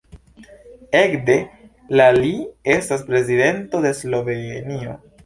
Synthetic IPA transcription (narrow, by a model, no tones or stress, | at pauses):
e̞kde̞ | lalie̞staspɾe̞zide̞nto̞d̪e̞slo̞ve̞nio̞̰